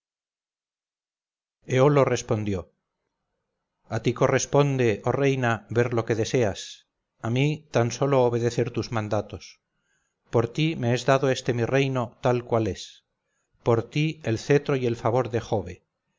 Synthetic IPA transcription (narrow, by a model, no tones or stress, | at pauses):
eolo̞re̞spo̞nd̪jo̞ | at̪iko̞re̞spo̞nd̪e̞ʔore̞jnaβe̞ɾlo̞ke̞ðe̞se̞as | amit̪anso̞lo̞ːβ̞e̞ð̞e̞θe̞ɾt̪uzmãnd̪at̪o̞s | po̞ɾt̪ime̞ezðaðoe̞st̪e̞mirejno̞t̪alkwale̞s | po̞ɾt̪ielθe̞t̪ɾo̞je̞lfaβo̞ɾðe̞xo̞βe